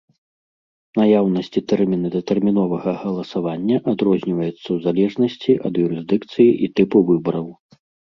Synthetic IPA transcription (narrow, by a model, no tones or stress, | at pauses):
najawnɐsʲt͡sʲit̪ɛrmʲinɨd̪ɐt̪ɛrmʲin̪ɔvɐɣɐɣɐlˠɐsavanʲːɐʔad̪ɾɔzʲnʲivɐjɛt̪sːɐwzalʲɛʐnɐsʲt͡sʲiʔɐd̪juɾɨzʲd̪ɨkt̪sɨjiʔit̪ɛpuvɨbɐɾɐw